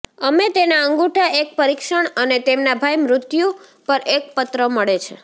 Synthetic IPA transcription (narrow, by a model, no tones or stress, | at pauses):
əmet̪enaəŋɡuʈʰaʔek̚pəɾikʃəɳ̃ənet̪emnabʱajmɾʊt̪jupəɾʔek̚pət̪ɾəməɭet͡ʃʰḛ